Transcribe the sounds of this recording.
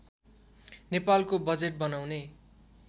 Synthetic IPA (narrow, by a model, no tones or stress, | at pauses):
nepalkobʌd͡zeʈ̚bʌnawne